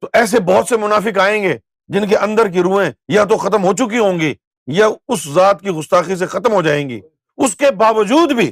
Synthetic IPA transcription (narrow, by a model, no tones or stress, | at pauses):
t̪oʔɛːs̬ebɔɦt̪semʊnaːfɪkaːẽːŋɡeː | d͡ʒɪnkeʔɐ̃nd̪əɾk̬iɾũːẽjat̪̬oxɐt̪əmɦoːt͡ʃʊk̬iɦõːŋɡiː | jaʊszaːt̪̚kiɣʊst̪aːxis̬exɐt̪əmɦod͡ʒaːẽːŋɡḭː | ʊskebaːʋəd͡ʒuːd̪bʱiː